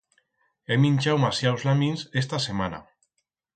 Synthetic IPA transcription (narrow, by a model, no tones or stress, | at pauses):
emĩnʲt͡ʃawmasjawzlamĩnses̬t̪asemana̰